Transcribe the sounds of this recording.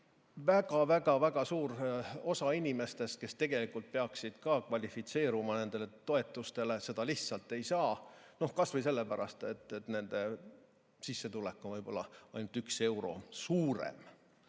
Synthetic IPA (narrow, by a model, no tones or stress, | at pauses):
vækɑvæɡɑvæɡɑsuːro̞sɑinʲime̞st̪e̞ske̞st̪e̞ɡ̥e̞likult̪̚peɑksid̪̥kɑːkvɑlʲifit̪se̞ːɾumɑne̞nd̪̥e̞le̞t̪o̞e̞t̪ːˑust̪e̞le̞se̞d̪ɑliht̪sɑlt̪ːˑe̞jsɑːno̞hkɑsvɤjs̬e̞lːepæɾɑ̰st̪et̪ːet̪ne̞nd̪̥e̞ | sisːe̞t̪ulekːˑonvɤjb̥o̞̰lːɑ̰ɑjnut̪ykse̞wɾo̞̰suːɾḛm